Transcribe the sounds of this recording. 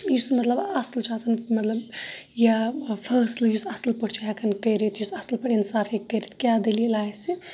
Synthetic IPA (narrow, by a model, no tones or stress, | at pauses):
jusmɐt̪lɐbɐslt͡ʃʰaːsɐnmɐt̪lɐbjapʰəɾslijusɐslpəɽt͡ʃʰaakʰɐnkəjɾet̪ʰjusɐslpɐɽinsaːfekːəjɾet̪ʰkʲjad̪elielaːjsi